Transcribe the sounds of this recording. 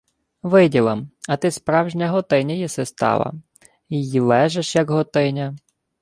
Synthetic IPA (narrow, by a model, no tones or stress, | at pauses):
ʋɪdʲilˠɐmɐt̪ɪspɾɑwʒnʲɐɦɔt̪ɪnʲɐjɛsest̪ɑ̰ʋɐ̰ | ijilˠɛʒeʃjɐɡɦɔt̪ɪnʲɐ